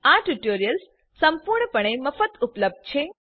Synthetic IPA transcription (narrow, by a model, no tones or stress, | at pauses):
aʈuʈoɾijəlsː | əmpuɾɳəpəɳ̃eməfət̪upləb̚d̪̚t͡ʃʰe